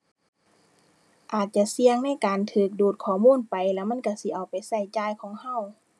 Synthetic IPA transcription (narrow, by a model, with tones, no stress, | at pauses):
ʔaː˨˩t̪̚t͡ɕa˧˨si˧əŋna˧˥˨jkaː˨nt̪ʰɯː˧˩k̚duː˨˩t̪̚kʰɔː˧˩muː˧˥˨npa˨jlɛː˧˩ma˧˥˨nka˧˩si˧˦˨ʔa˨˩wpa˨jsa˧˩jt͡ɕaː˧˨jkʰɔː˨˦ŋha˧˥˨w